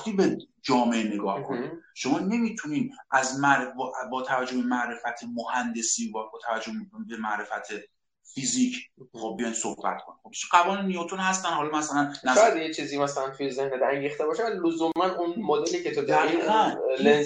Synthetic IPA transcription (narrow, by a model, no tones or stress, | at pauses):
t̪iːbed͡ʒɒːmeʔene̞ɡɒːhkʰoniʃomɒːne̞mit̪ʰuniːd̪ʔæzmæɾbbɒːt̪ʰævæd͡ʒːohbemæʔɾe̞fæt̪ʰemohænd̪e̞siːbɒbɒːt̪ʰævæd͡ʒobemæʔɾe̞fæt̪ʰe | fiziːcʰːbejɒjnsohbæ̰t̪kʰoniob̪ʃɢævɒːnenijot̪ʰonhæst̪ænhɒːlɒmæsælænːæʃad̪jet͡ʃʰiːziːmæsælænt̪ʰujezehned̪æŋɟiːχt̪ebɒːʃelozuːmænunmod̪eliːcʰet̪ʰod̪æiiːʁænlen